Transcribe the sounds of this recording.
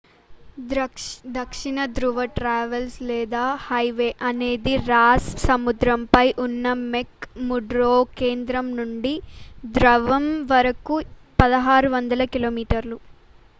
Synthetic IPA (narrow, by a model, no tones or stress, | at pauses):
d̪ɐkʂiɳɐd̪ɾuʋɐʈɾaːʋɐlslɛːd̪aːhɐjʋeːʔɐne̞ːd̪iɾaːssɐmud̪ɾɐmpɐjʔunːɐmekmuɖɾoːke̞ːnd̪ɾɐmnuɳɖid̪ɾɐʋɐmʋɐɾɐku | pɐd̪ɐɦaːɾuʋɐnd̪ɐlɐkiloːmiːʈɐɾlu